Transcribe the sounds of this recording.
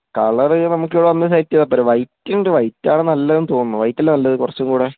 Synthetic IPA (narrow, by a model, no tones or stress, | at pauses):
kɐɭɐrɨnɐmuk̬ːjoɭːɐʋɐnːɐsaːjɾitːijɐðɐpːoɾʋɐjtːinɖuʋɐjtːaːɳɨnɐlːɐðenːɨt̪o̞ːnːuʋɐjtːɐlːnɐlːɐðɨkurɐt͡ɕːumkuːɽe